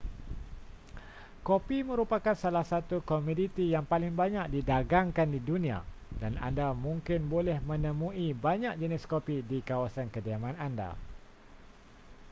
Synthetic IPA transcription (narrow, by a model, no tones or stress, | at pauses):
kopimə̃ɾupakansalahsat̪ukomudit̪ijaŋpalɪŋbaɲaʔ̚didaɡaŋkandidunĩa̰dana̰ndamũŋkɪnbolɛhmə̃nə̃mũibaɲaʔ̚d͡ʒənɪskopidikawasankədiamãnanda̰